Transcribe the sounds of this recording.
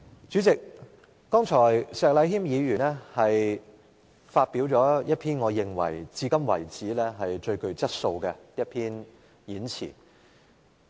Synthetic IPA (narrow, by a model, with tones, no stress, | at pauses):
t͡ʃyː˨˥t͡sɪ˨k̚ː | ɔː˥ŋt͡ʃʰɔː˨˩jsɛː˨˧k̚lɐ˨˧˥jɦiː˥mjiː˨˧ɥyː˨˩nlɛ˥hɐ˨j | faː˧t̚piː˨˥wt͡ʃɔː˨˥jɐ˥t̚pʰiː˥nŋɔː˨˧jɪ˨ŋwɐ̰˨˩jt͡siː˧kɐ˥mwɐ̰˨˩jt͡siː˨˥lɛː˥ɦɐ˨jt͡ʃɵ˧ɥkɵ˧ɥt͡sɐ˥t̚so˧wkɛ˧jɐ˥t̚pʰiː˥n | jiː˨˥nt͡sʰḭː˨˩